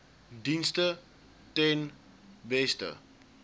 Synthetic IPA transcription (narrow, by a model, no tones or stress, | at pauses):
dinstə | tɛn | bɛstə̰